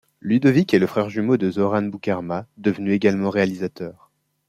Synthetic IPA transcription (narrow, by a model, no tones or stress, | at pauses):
lyd̪ɔvikeləfχɛʁʒymod̪əzɔʁanbukaʁmad̪əvnyeɡalmɑ̃ʁealizat̪œːʁ